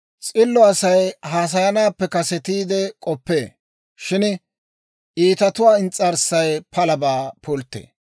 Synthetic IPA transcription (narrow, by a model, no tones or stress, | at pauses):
t͡sʼɪlːɔɐsɐjhaːs̬ɐjɐnaːpːɛkɐsɛt̪iːd̪ɛkʼɔpːḛː | ʃɪn | ʔiːt̪ɐt̪ʊwaːɪnt͡sʼɐɾsɐjpʰɐlɐbaːpʰʊlt̪ːḛː